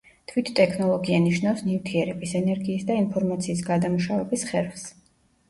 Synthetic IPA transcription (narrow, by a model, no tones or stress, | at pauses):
t̪ʰwit̪ʰt̪ʼɛkʰnɔlˠɔɡianiʃnafsnivt̪ʰiɛɾɛbisɛnɛɾɡiːsd̪ainpʰɔɾmat̪sʰiːsɡad̪amuʃavɛbisχɛɾfs